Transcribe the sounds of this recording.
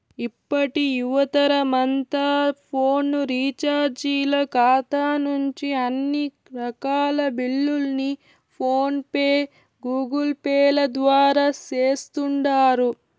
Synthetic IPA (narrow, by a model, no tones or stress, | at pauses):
ipːɐʈijuʋɐt̪ɐɾɐmɐnt̪apʰoːnːɾiːt͡ʃaːɾd͡ʒiːlɐkaːt̪aːnuɲt͡ʃiɐnːi | ɾɐkaːlɐbiɭːulni | pʰoːnpe | ɡuːɡɐlpɛːlɐd̪ʋaːɾaːt͡ʃeːst̪uɳɖaːɾu